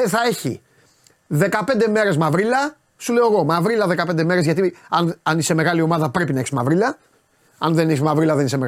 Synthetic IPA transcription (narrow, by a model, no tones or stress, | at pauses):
eθɐe̞çḭ | ðe̞kɐpe̞nd̪eme̞ɾe̞zmɐvɾilɐ | suleo̞eɣo̞mɐvɾilɐðe̞kɐpend̪e̞me̞ɾe̞zʝɐt̪iɐnɐnise̞me̞ɣɐlio̞mɐðɐpɾe̞pinɐeçi̥szmɐvɾilɐ | ɐnðe̞neçsizmɐvɾilɐðenisemeɣ